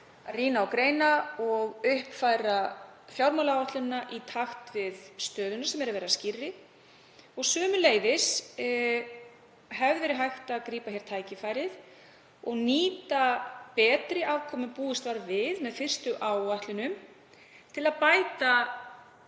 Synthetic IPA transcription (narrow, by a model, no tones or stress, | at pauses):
ariːnaawkɾeːjnaɔɣʏhpfajɾafjawɾmawlaɔht̪lʏnːaʔit̪ʰaxt̪vɪðst̪œːðʏnasɛmɛɾavɛːɾascɪrːɪ | ɔɣsœːmʏleːjðɪs | ɦɛvðʏvɛɾɪɦajxt̪akɾiːpaçɛɾ̥t̪ʰaːjcɪfaːjɾɪð | ɔɣniːt̪apɛːt̪ɾɪʔaːvkʰɔːmʏpuːɪst̪vaɾvɪðmɛðfɪr̥st̪ʏʔaːwaht̪lʏnʏm | t̪ʰɪlaðpaːjt̪a